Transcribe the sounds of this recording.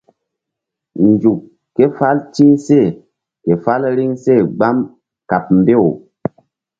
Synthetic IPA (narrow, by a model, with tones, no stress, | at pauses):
n˨d͡ʒu˨kː | e˦fa˦lt͡ʃi˦ŋse˦˨ | ke˨fa˦lɾi˦ŋse˦˨ɡ͡ba˦m | ka˨p̚m̩˨be˦˨o˨